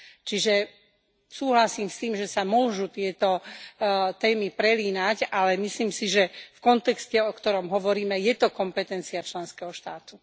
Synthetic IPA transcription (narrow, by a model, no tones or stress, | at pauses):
t͡ʃiʒɛ | suːɦlasiːmst̪iːmʒɛsamʊɔʒut̪ɪɛt̪ɔ | t̪ɛːmipɾɛliːnacalɛmisliːmsiʒɛfkɔnt̪ɛkscɛɔkt̪ɔɾɔmɦɔʋɔɾiːmɛjɛt̪ɔkɔmpɛt̪ɛnt͡siat͡ʃlɛnskɛɦɔʃt̪aːt̪u